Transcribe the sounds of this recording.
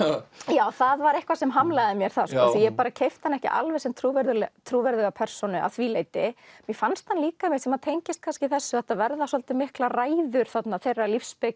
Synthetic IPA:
jaːwθaðvaɾehkvasɛmɦamlaːðɪmjɛɾ̥θaskɔːθijɛpaːɾacʰejft̪hanɛhcɪ̰ʔa̰lvɛsɛmt̪ʰɾuːvɛɾðʏlɛt̪ʰɾuːvɛɾðɛɣapʰɛɾ̥sɔnʏʔa̰θviːlejt̪ɪmjɛfanst̪hanliːkamjɛsɛmaðt̪ʰejɲcɪst̪̚kʰanscɪθɛsːʏθɛht̪avɛɾðasɔlt̪ɪmɪhklaraːjðʏɾ̥θat̪naθejrːalifspɪk

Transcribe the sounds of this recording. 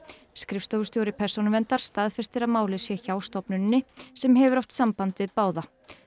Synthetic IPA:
skɾɪfst̪ɔwɣʏ̥st̪jowɾɪpʰɛɾ̥sɔnʏvɛnt̪aɾ̥st̪aːðfɛst̪ɪɾaðmaːwlɪsjɛçaːwst̪ɔpnʏnːɪsɛmɦɛvʏɾɔft̪sampant̪vɪðpaːwða

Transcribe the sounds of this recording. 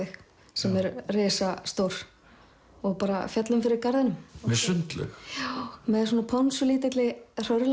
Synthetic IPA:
ɪx | sɛmɛɾrɪːsast̪owɾ̥ | ɔɣpaːɾa̰fjat̪lʏmfɪɾɪɾkaɾðanʏmmɛsʏnt̪lʏ̰x | mɛðsɔːnapʰɔnsʏliːt̪ɪt̪lɪr̥œɾl

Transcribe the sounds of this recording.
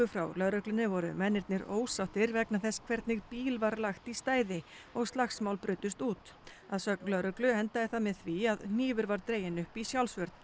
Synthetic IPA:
ʏfɾa̰wlœðɾœklʏnɪvɔɾʏ̰mɛnːɪɾt̪nɪɾo̰ːwsawht̪ɪɾvɛknaθɛskʰvɛɾt̪nɪɣpiːlvaɾlaxt̪ist̪aːjðɪ | ɔɣst̪laxsmawlpɾʏːt̪ʏst̪uːt̪ | aðsœk̚nlœɾœklʏɛnt̪aðɪθamɪðθviaðn̥iːvʏɾvaɾt̪ɾeːjɪnʏhpisjawlsvœɾt̪n̥

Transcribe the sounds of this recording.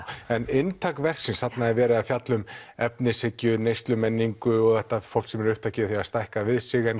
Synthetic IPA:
ɛnɪnt̪ʰakvɛr̥ksɪnsat̪naðɛɾvɛːɾaaðfjat̪lʏmɛp̚nɪsɪcʏnejst̪lʏmɛnːiŋkʏɔɣθɛht̪afowl̥ksɛmɛɾʏhp̚t̪ʰacɪθiast̪ajhkavɪðsɪɣɛn

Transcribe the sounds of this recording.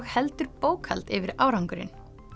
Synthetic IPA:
ɣhɛlt̪ʏɾpoːwkhɛlt̪ɪvɪɾaːwɾawŋkʏɾɪ̰n

